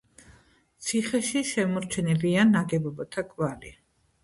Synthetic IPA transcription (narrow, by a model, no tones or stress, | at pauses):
t̪sʰiχɛʃiʃɛmɔɾt͡ʃʰɛnɛbianːaɡɛbɔbɔt̪ʰakʼvali